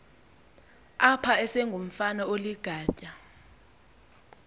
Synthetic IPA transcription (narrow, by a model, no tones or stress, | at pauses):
apʰaɛsɛŋɡʱom̩fanaoliɡ̥ʱaːt͡ʃʼa